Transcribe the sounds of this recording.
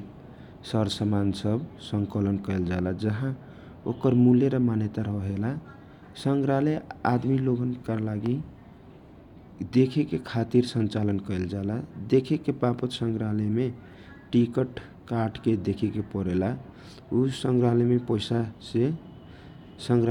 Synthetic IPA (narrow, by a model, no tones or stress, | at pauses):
səɾsəmansəbsəŋkələnkəeld͡ʒaelad͡ʒəɦã | okəɾmuljeɾəmanet̪aɾəɦɦela | səŋɡɾalead̪miloɡənkəɾlaɡi | d̪ekʰekekʰat̪iɾsənt͡ʃalənkəeld͡ʒalad̪ekʰekepapət̪səŋɡɾaləme | ʈikəʈ | kaɾʈked̪ekʰekepəɾela | usəŋɡɾalemepəjsase | səŋɡ